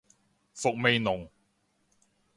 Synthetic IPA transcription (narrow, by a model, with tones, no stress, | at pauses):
fʊ˨k̚me˨˧jnʊ˨ŋ